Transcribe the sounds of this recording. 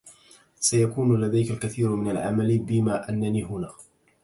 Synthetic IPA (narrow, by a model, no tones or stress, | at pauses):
sajakuːnʊlad̪ajkalkaθiːɾʊmɪnalʕa̰malbɪmaːʔanːaniːɦʊnaː